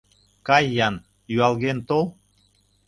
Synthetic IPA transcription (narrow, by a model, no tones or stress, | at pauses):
kɑjːɑn | jyɑlɣent̪ol